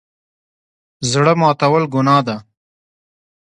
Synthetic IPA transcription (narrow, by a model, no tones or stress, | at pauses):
zɽəmɑːt̪awəlɡʊnɑːd̪a